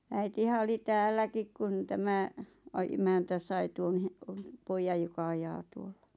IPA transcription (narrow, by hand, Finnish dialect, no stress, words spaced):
æitihæ oli tæːlːækik kun tæmæ ɑ emæntæ sɑi tuon he poijɑj jokɑ ɑjɑː tuolːɑ̥